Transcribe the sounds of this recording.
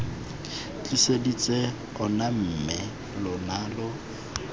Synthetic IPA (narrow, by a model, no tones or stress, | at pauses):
t͡ɬʼisedit͡sʼe | ɔnam̩mɪ | lʊnaːlɔ